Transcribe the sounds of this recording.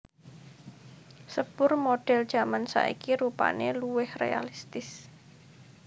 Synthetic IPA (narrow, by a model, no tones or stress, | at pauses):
səb̥ʊrmoɖ̥ɛ̤ld̥ʒ̥a̤mansa̰ʔḭkiɾupa̰neluwɪhrḛa̰list̪ɪs